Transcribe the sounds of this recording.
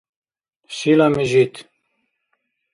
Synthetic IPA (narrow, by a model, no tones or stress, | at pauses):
ʃilamiʒit̪ʰ